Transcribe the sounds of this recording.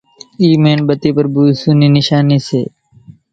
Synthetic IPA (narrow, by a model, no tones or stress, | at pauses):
iːmẽːnbət̪iːpəɾbuːsuːniːnɪʃaːniːsḛː